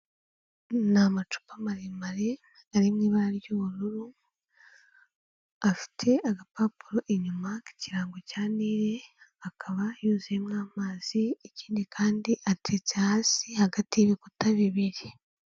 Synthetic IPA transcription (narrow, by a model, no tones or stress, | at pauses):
namat͡ʃu̥pamaɾemaɾe | aɾimŋiβaɾaɾjoɾuɾu | afi̥tʰe̞aɡapaːpuɾoʔeɲumaki̥ciɾaːŋɡocaːniːɾe̞akʰaβajuːzemnaːmaːz̥ieciːndikʰaːndiʔatʰet͡sehaːsihaɡatiβikutaβiβiɾi